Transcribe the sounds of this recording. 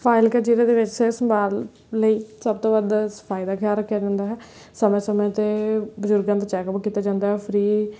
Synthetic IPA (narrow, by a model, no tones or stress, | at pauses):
pʰaːɪlkeːt͡ʃiːɾãd̪eːʋɪt͡ʃsesəmbaːlː | əiːsəb̚t̪õːʋəd̪sə̥pʰaːid̪aːkʰjaːɾəkʰːjaːd͡ʒãːnd̪aːɦɛː | səmẽːsəmẽt̪eːbəd͡ʒʊɾɡãnt̪at͡ʃɛːkəpkiːt̪aːd͡ʒãːnd̪aːɦɛːpʰɾiː